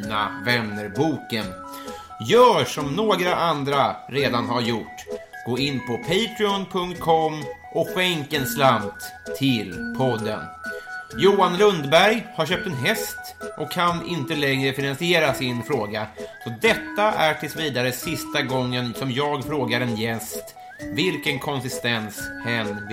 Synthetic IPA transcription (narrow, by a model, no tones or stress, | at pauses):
na̰vɛnːəɾbuːkən | jœːʂɔmnoːɡɾaʔand̪ɾaɾeːd̪anɦaɾjʊʈː | ɡ̥oːɪnːpʰɔpʰɛjt̪ɾɪɔnpʰɵŋkt̪̚kʰɔmːʔɔɧɛŋkənslamt̪ʰː | ɪlpʰɔd̪ːə̰n | juːanlɵnd̪bæɾjhaɾɕøːp̚t̪ɛnɦɛst̪ | ʔɔkʰːanɪnt̪əlɛŋɾəfɪnansɪeːɾasɪnfɾoːɡasɔd̪ɛt̪ːaʔæʈʰɪlsviːd̪aɾəsɪst̪aɡɔŋːənsɔmjɑːɡfɾoːɡaɾɛnjɛst̪ | vɪlkənkʰɔnsɪst̪ɛnshɛn